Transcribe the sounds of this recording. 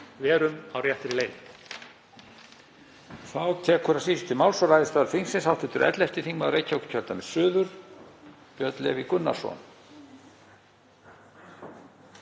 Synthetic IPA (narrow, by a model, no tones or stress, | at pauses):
vɛːɾʏmawrjaht̪ɾɪleːjt | θawt̪ʰɛːkʰːʏɾasiːsʏ̥t̪ɪmawlsɔɾajðɪst̪aːðɾfinsɪnsawt̪ʰɪt̪ʏɾʔɛ̰t̪lɛft̪ɪθiŋmaɾejcʰːawkʏ̥cʰœlt̪amɛð̥sʏːðʏɾ̥ | pjœt̪lɛ̰vikʏnːa̰sɔ̰n